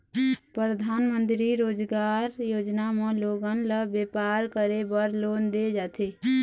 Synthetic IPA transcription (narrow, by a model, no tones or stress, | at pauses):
pɾəd̪ʱaːnmə̃nt̪ɾiɾoːd͡ʒɡaɾjoːd͡ʒnameloɡənləbeːpaːɾkəɾebəɾloːnd̪ed͡ʒat̪ʰe